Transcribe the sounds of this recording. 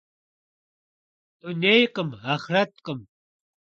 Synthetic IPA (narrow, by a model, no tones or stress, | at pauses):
t̪ʊnejqəmaχɾat̪̚qəm